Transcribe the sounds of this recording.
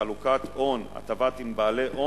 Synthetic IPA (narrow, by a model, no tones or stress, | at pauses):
alukat̪ʔo̞na̰t̪avat̪imbaːleʔo